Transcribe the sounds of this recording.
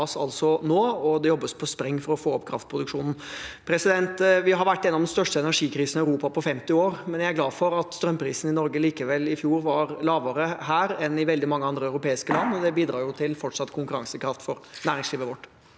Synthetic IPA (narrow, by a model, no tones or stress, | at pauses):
sɑ̰lsɔnoːɔd̪ɛjɔbːəspʰɔspɾɛŋːfɔɾɔfoːɔpkʰɾɑft̪̚pʰɾʊd̪ʉkʂuːnn̩pʰɾɛsɪd̪ɛnt̪ʋɪɦɑɾʋæʈːɛnːɑʋd̪nst̪œʂʈəɛnæɾʂiːkʰɾiːsənɪœʉɾuːpɑpʰɔfɛmt̪ɪoːɾmɛnjæɪæɾɡlɑːfɔɾɑt̪st̪ɾœmːpʰɾiːsn̩ɪnɔɾɡəliːkəʋɛlːɪfjuːɾʋɑɾlɑːʋəɾəɦæːɾɛnɪʋɛld̪ɪmɑŋːəɑnd̪ɾəɑʉɾʊpeːɪskəlɑnːɔd̪ɛbiːd̪ɾɑːɾjʊt̪ʰɪlfɔʈːʂɑt̪ːkʰʊŋkʉɾɑŋsəkʰɾɑft̪fɔɾnæːɾɪŋsliːʋəʋɔʈː